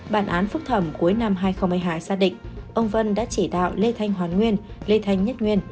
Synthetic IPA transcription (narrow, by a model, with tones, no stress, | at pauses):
ɓaː˧˩nʔaː˨˦nfʊ˦˥k̚t̪ʰə˧˩mku˨˦əjna˧mɦaː˧jxə˧ŋ͡mmɨ˧jɦaː˧jsaː˧ɗḭ̈˧˨ŋ̟ʔə˧wŋ͡mvə˧nɗa̰ː˧˥t͡ɕi˧˩ɗa̰ː˧˨wle˧t̪ʰa˧jŋ̟ɦwaː˨˩nŋwi˧ən | le˧t̪ʰa˧jŋ̟ɲə˦˥t̚ŋwi˧ən